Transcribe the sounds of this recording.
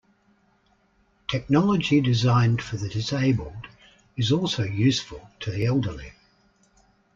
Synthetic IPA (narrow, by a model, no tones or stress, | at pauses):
tʰɛk̚nɒlˠəd͡ʒidɪzɑ̃ɪ̃nd̥fəðɨdɪseɪbəlˠd | ɪzɔˑlˠsəʊjʉˑsfəlˠtʰəðiɛlˠdəlḭ